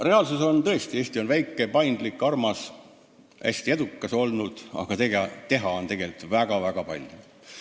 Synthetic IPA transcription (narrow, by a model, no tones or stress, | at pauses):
re̞ɑlsuso̞nt̪ɤ̞e̞st̪ie̞ːsʲt̪io̞nvæjkːˑe̞pɑjnd̪likːˑɑrmɑs | hæ̰sʲt̪ie̞d̪̥ukːˑɑso̞lnud̪̥ɑ̰ɡ̥ɑt̪eɡt̪e̞ɦɑo̞nt̪e̞ɡ̥e̞lt̪ˑvæɡ̥ɑvæɡ̥ɑpɑ̰lʲju